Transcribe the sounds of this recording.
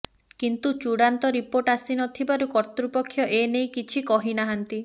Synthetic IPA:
kint̪ut͡ʃuɽant̪ɔɾipoɾʈasinɔt̪ʰibaɾukɔɾt̪ɾupɔkʰːjɔʔenejkit͡ʃʰikɔɦinaɦant̪i

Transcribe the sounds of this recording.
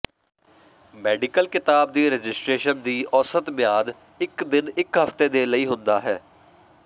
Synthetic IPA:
mɛːɖɪkəlkɪt̪aːb̚d̪iːɾəd͡ʒɪsʈɾeːʃənd̪iːʔɔːsət̪mɪjaːd̪ | ɪkd̪ɪnɪkɦəft̪eːd̪eːləiːɦʊ̃nd̪aːɦɛː

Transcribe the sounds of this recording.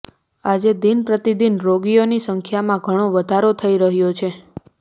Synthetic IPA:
ad͡ʒed̪inpɾət̪id̪inɾoɡijonisəŋkʰjamãɡʱəɽ̃oʋəd̪ʱaɾot̪ʰəiɾəɦjot͡ʃʰe

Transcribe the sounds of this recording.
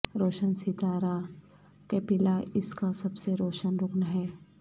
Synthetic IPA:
ɾoːʃənsɪt̪aːɾa | keːpɪlaʔɪskasɐbseɾoːʃənɾʊknaɦɛː

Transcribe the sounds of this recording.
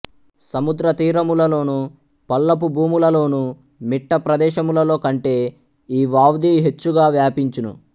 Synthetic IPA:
sɐmud̪ɾɐt̪iːɾɐmulɐlo̞ːnu | pɐlːɐp̬ubʱuːmulɐlo̞ːnu | miʈːɐpɾɐd̪ɛːʃɐmulɐlo̞ːkɐɳʈe̞ː | iːʋaːwd̪iːɦe̞t͡ʃːuɡaːʋjaːpiɲt͡ʃinṵ

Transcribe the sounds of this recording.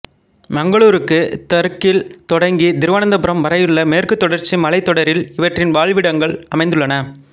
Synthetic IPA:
mɐŋɡɐɭuːɾɯkːɯt̪ɐɾkːɪlt̪ɔɽɐŋɡid̪ɪɾɯʋɐːnɐnd̪ɐpɯɾɐmʋɐɾɐjɯɭːɐmeːrkɯt̪ːɔɽɐɾt͡ʃːimɐɭɐɪt̪ːɔɽɐɾɪlɪʋɐʈrɪnʋaːɭʋɪɽɐŋɡɐɭɐmɐɪnd̪ɯɭːɐnɐ

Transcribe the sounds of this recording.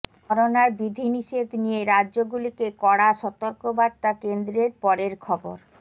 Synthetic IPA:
ɔɾonaɾbid̪ʱiniʃed̪ʱnijeɾadːʑoɡulikekɔɽaʃɔt̪oɾkobaɾt̪akend̪ɾeɾpɔɾeɾkʰɔboɾ

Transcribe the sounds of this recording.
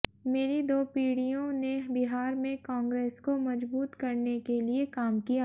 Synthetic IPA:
meːɾid̪oːpiːɽijõnebɪɦaːɾmẽkɔ̃ːŋɡɾeːskomɐd͡ʒbuːt̪kɐɾnekeliekaːmkija

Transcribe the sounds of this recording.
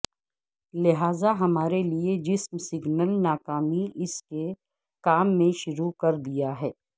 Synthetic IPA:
lɪɦaːzaɦɐmaːɾelied͡ʒɪsmsɪɡnəlnaːkaːmiʔɪske | kaːmːẽʃʊɾukɐɾd̪ijaɦɛː

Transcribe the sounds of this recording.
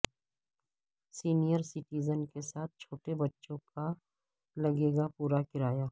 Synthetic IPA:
siːnijəɾsɪʈiːzənkesaːt̪̚ʰt͡ʃʰoːʈebɐtːʃõka | lɐɡeːɡapuːɾakɪɾaːjaː

